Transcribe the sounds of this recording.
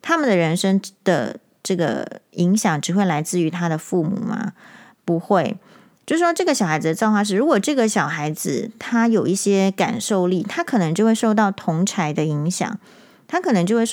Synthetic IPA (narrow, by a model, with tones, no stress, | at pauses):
t̪ʰa˥mə˨nd̪ə˩ɻə˧˥nʂə˥ŋd̪̥ə̰˩ | ʈ͡ʂɤ˥˩ɡə̰˩i˧˥ŋɕjɑ˨˩˦ŋʈ͡ʂɻ̩˨˩xwe˥˩ɪla˧˥ɪt͡sɹ̩˥˩y˧˥t̪ʰa˥d̪ə˨fu˥˩mṵ˨˩mɐ̰˩˦ | pu˧˥xwe˥˩ɪ | t͡ɕjo˥˧ʊʂɻ̩˥˩ʂwɔ˥ʈ͡ʂɤ˥˩ɡə˩ɕɑ˨˩xa˧˥ɪd͡z̩˨d̪ə˩t͡sjɑ˥˧xwa˥˧ʂɻ̩˥˩ɻu˧˥kwɔ˨˩ʈ͡ʂɤ˥˩ɡə˨˩ɕjɑ˨˩ʊxa˧˥ɪd͡zɹ̩˧t̪ʰa˥jo˨˩ʊi˥˩ɕjɛ˥ka̰˨˩nʂo˥˧ʊli˥˩t̪ʰa˥kʰɤ˨˩nɤ˧˥ŋt͡ɕo˥˧xwe˥˧ʂo˥˧ʊt̪ɑ˥˩ʊt̪ʰʊ˧˥ŋʈ͡ʂʰa˧˥ɪd̪ə˧i˧˥ŋɕjɑ̰˨˩˦ŋ | t̪ʰa˥kʰɤ˨˩nɤ˧˥ŋt͡ɕjo˥˧we˥˩